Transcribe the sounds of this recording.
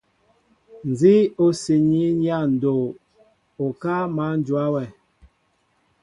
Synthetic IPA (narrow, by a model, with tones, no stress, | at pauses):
n̩˨d͡zi˦o˦si˨ɲi˦ɲja˦˨n̩˨do˨ | o˨ka˦ma˨˦n˦d͡ʒu˨a˦wɛ˨